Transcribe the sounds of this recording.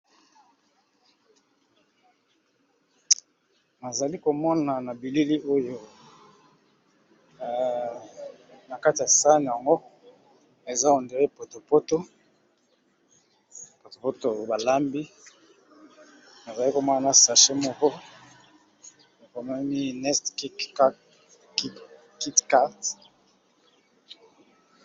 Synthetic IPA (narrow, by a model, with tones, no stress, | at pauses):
na˨za˨li˦ko˨mɔ˦na˨na˨bi˨li˦li˦ʔo˦jo˦˨ | na˨ka˦ti˨ja˨sa˦n˨ja˨ŋɡo˦ | e˨za˦o˨nde˨ʁe˦po˨to˨po˦to˦ | po˨to˨po˦to˨ba˨la˦mbi˦ | na˨za˨li˦ko˦ma˦a˨na˦sa˨ʃe˦mɔ˦kɔ˦ | a˨ko˨ma˦mi˦nɛ˦stki˦k | ki˦tka˦t